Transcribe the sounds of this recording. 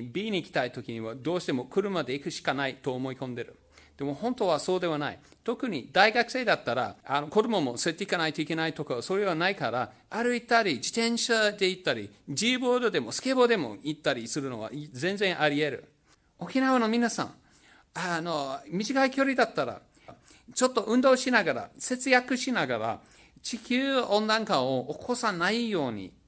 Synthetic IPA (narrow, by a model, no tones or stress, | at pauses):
bʲiːɲ̟ʲiːkʲi̥t̪ait̪o̞kʲiɲ̟iβad̪o̞ːɕi̥t̪e̞mo̞kɯ̟ɾɯ̟mad̪e̞ikɯ̟ɕi̥kanait̪o̞ːmo̞ikõ̞nd̪e̞ɾɯ̟ | d̪̥e̞mo̞hõ̞nt̪o̞β̞aso̞ːd̪e̞βanaḭt̪o̞kɯ̟ɲ̟id̪aiɡakɯ̟se̞ːd̪at̪ːaɾa̰ano̞ko̞d̪o̞mo̞mo̞soɾet̪ːe̞ikanait̪o̞ike̞nait̪o̞kaβaso̞ːɾeβ̞anaikaɾa | aɾɯ̟it̪aɾʲid͡ʑit̪ẽ̞ɰ̃ɕad̪e̞it̪ːaɾʲid͡ʑiːbo̞ːd̪o̞d̪e̞mo̞sɨ̥ke̞ːbo̞d̪e̞mo̞̰it̪ːaɾʲisɨɾɯ̟no̞̰βa̰zẽ̞nd͡zẽ̞ɰ̃ʔaɾʲie̞ɾɯ̟̰ | o̞kʲinaβano̞mʲinasã̰ŋ | ano̞mʲiʑikaikʲo̞ɾʲid̪at̪ːaɾa̰ | t͡ɕo̞t̪ːo̞ʔɯ̟̃nd̪o̞ːɕinaɡaɾa̰se̞t͡sɨjakɯ̟ɕinaɡaɾa̰ | t͡ɕikʲɨːõ̞nd̪ãŋkãɰ̃ookʰo̞sanaijo̞ːɲ̟ḭ